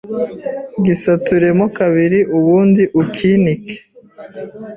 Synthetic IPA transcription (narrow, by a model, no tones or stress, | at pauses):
ɡisatuɾemokaβiɾiʔuβuːndiʔukʰinike̥